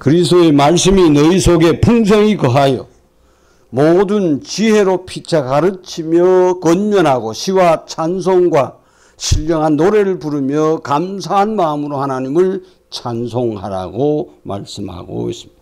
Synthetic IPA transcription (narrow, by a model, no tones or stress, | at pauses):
kɯɾisdoemaɭs͈ɯminʌisʰoɡe̞pʰuŋs̬ʰʌŋikʌɦajʌ̰ | modɯnt͡ɕiɦe̞ɾopʰit͡ɕʰakaɾɯt͡ɕʰimjʌkʌnmʌnɦaɡoɕʰiwat͡ɕʰansʰoŋɡwa | ɕʰiʎːʌŋɦanːoɾe̞ɾɯɭpuɾɯmjʌkams̬ʰaɦanmamɯɾohanaɲimɯɭ | t͡ɕʰansʰoŋha̰ɾa̰ɡoma̰ɭs͈ɯmha̰ɡo̰ḭs͈ɯ̥mid̥ḁ